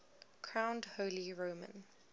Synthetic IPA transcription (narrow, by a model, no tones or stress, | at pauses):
kʰɹ̥ãʊ̃ndhoːliɹoːmə̰̃n